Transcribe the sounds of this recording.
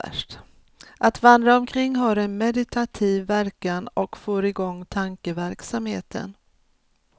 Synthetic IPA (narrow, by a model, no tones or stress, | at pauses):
ʂʈ | ʔat̪vand̪ɾaɔmkʰɾɪŋːɦɑɾɛnmɛd̪ɪt̪ʰat̪ʰiːvːæɾkanɔkfoːɾɪɡɔŋːt̪ʰaŋkəvæɾksamheːt̪ʰə̰n